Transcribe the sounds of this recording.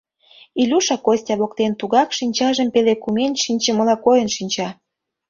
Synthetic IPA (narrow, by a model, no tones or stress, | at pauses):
ilʲuʃɑkosʲtʲɑβokt̪ent̪uɣɑkʃinʲt͡ɕɑʒə̆mpelekumenʲʃinʲt͡ɕeməlɑkojənʃinʲt͡ɕɑ